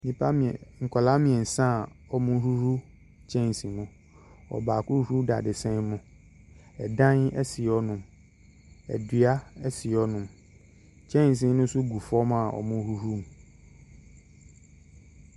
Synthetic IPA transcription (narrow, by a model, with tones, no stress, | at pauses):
nĩ˨pʰa˦m˨ŋ̩˨kʰɔ˨la˦mĩ˨ɛ˨n̩˨sã˦˨ | ɔ˨mʊ̃˦hu˦ɾu˦ | t͡ɕʰɛ̃˦n˨sĩ˨mʊ̃˨ | ɔ̰˨baː˨kʊ˦hu˦da̰˨dɪ˨sɛ̃˦mʊ̃˨ | ɛ˨dã˦nɛ̰˦si˨ɔ˦nʊ̃˨m | ɛ̰˨dɥa˦ɛ˦sɪ˨ɔ˦nʊ̃˨m | t͡ɕʰɛ̃˦n˨s̬ĩ˨nʊ̃˦sʊ˦ɡu˨fɔ˦ma˨ʔɔ̰˨mʊ̃˦hu˦hu˦m˨